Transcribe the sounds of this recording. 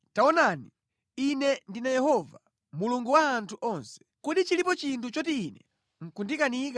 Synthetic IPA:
taɔnani | inɛndinajɛhɔva | muluŋɡuwaːntʰuʔɔnsɛ̥kuɗit͡ʃilipɔt͡ʃintʰut͡ʃɔtiːnɛ | ŋ̩kundikanika

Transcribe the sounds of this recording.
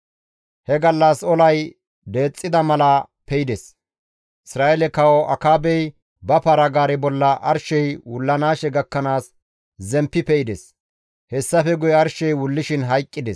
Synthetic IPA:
hɛɡɐlːɐsɔlɐj | d̪e̞ːt͡sʼːɪd̪ɐmɐlɐ | pɛjɪd̪ɛs | ʔɪsɾaːjɛlɛkɐwɔʔɐkaːbɛj | bɐpɐɾɐɡaːɾɛbɔlːɐʔɐɾʃɛjwʊlːɐnaːʃɛɡɐkːɐnaːs | zɛmpːɪpɛɪd̪ɛs | hɛsːɐfɛɡʊjɛɐɾʃɛjwʊlːɪʃɪnɦɐjkʼːɪd̪ɛs

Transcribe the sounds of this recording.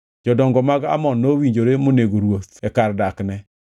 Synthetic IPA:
d͡ʒɔdɔŋɡɔmaɡa̰mɔnːowiɲd͡ʒoɾemoneɡoɾwot̪ɛkardaknɛ

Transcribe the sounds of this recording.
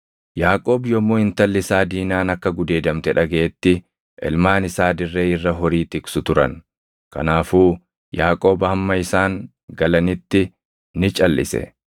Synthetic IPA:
jaːkʼo̞ːbjɔmːoːɪnt̪ɐlːɪsaːd̪iːnaːnɐkːɐɡʊd̪e̞ːd̪ɐmt̪ɛᶑɐɡe̞ːt̪ːɪ | ʔɛ̰lmaːnɪsaːd̪ɪrːeːɪrːɐɦɔɾiːt̪ɪksʊt̪ʊɾɐ̰n | kɐ̰naːfuː | jaːkʼo̞ːbɐɐmːɐɪsaːŋ | ɡɐlɐnɪt̪ːɪ | nɪt͡ʃʼɐlːɪ̰sɛ̰

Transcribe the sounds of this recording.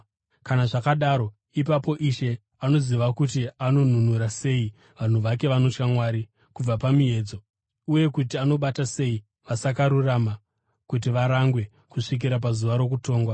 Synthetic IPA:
kanaʐakaɗaɾo̞ | ipapo̞ʔiʃe̞ | ano̞ziʋakutiano̞n̤un̤uɾase̞i | ʋan̤uʋake̞ʋano̞t͡ʃkamwaːɾi | kub͡vapamie̞ːd͡zo̞ | uje̞kutiano̞ɓatase̞i | ʋasakaɾurama | kut̬iʋaɾaŋɡwe̞ | kuʂik̬iɾap̬azuʋaɾo̞k̬uto̞ːŋɡwa

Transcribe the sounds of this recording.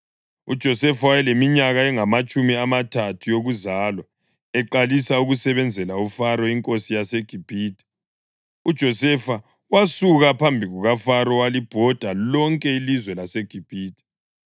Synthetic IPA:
ṵd̥ʒ̥ʱɔsɛfawajɛlemiɲaɣaɛŋamat͡ʃʼumiamatʰatʰujoɣuzaːlwɔ | ɛǃalisauɣusɛβɛnd͡zʱɛlaufaɾɔiŋkʼosijaseɡ̥ʱib̥ʱiːtʰʼi̥ | ud̥ʒ̥ʱɔsɛfa | wasuɣapʰambʱiɣuɣafaɾɔwalib̥ʱɔd̥ʱalɔŋkʼɛilizwɛlaseɡ̥ʱib̥ʱiːtʰʼi̥

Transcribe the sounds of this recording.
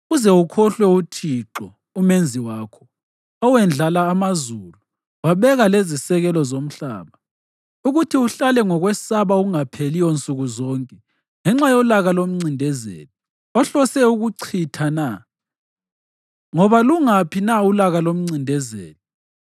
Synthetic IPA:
ɣuzɛukʰɔɬwɛutʰiǁɔ | umend͡zʱiwaːkʰɔ̥ | ɔwɛnd͡ɮʱalaːmazulu | waβɛɣalezisɛɣɛlɔzom̩ɬa̰ːβa | uɣutʰiuɬalɛŋɔɣwɛsaβauuŋapʰelijɔnt͡sʼuɣuzɔŋkʼɛ | ŋɛŋ͡ǁajɔlaɣalom̩ŋ͡ǀindʱɛzḛːlɛ | ɔɬɔsɛuɣuǀʰitʰana | ŋɔβaluŋapʰinaulaɣalom̩ŋ͡ǀindʱɛzḛːlɛ

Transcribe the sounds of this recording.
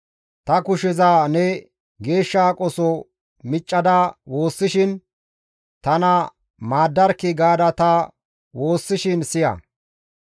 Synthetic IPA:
t̪ɐkʊʃɛzaːnɛ | ɡe̞ːʃːaːkʼɔsɔ | mɪt͡ʃʼːɐd̪awo̞ːsːɪʃɪn | t̪ɐnɐ | maːd̪ːɐɾkɪɡaːd̪ɐt̪ɐ | wo̞ːsːɪʃɪnsɪjɐ̰

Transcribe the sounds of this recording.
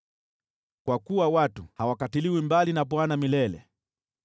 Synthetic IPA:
kwakuwawatuhawakatiliwimbalinap̬ɔanamilɛlɛ̰

